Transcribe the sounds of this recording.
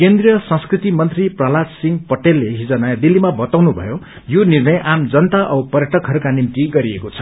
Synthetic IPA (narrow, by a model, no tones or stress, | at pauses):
kend̪rijʌsʌ̃ŋskrit̪imʌnt̪ripralad͡zsiŋɡpʌʈelːeɦid͡zʌnajad̪ilːimabʌt̪awnubʱʌ̰jo | jonirnʌjʔamd͡zʌnt̪aʔʌwpʌrjʌʈʌkɦʌɾukanimt̪iɡʌɾiekot͡sʰʌ̥